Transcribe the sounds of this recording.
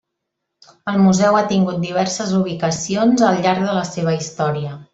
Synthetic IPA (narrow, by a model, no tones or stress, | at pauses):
əlˠmuzɛwat̪iŋɡut̪̚d̪iβɛrsəzuβ̞ikəsionzəlˠʎaɾɡ̚ðələseβ̞əist̪ɔɾiə